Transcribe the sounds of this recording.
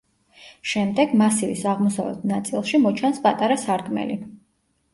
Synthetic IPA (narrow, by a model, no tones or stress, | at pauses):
ʃɛmd̪ɛɡmasivḭsaʁmɔsavɛ̰t̪̚ʰnat̪sʼilˠʃimɔt͡ʃʰanspʼat̪ʼaɾasaɾd̪ʼmɛ̰li